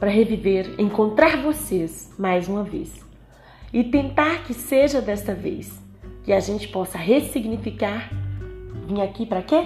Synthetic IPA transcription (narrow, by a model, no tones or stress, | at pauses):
pɾɐɦeviveɾḛ̃ŋkõnt̪ɾaɾvosesmajzũmɐvḛs | ɪt̪ẽnt̪aɾkɪseʒɐd̪ɛst̪ɐvḛjs | kɪaʒẽnt͡ʃɪ̥pɔsɐɦesiɡnifikaɾ | vĩɲakipɾɐke